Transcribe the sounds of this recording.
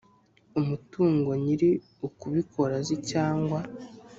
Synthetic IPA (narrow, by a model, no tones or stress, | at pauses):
umutuːŋɡo̞ɲiɾi | ukuβikʰo̞ɾazicaːŋɡwa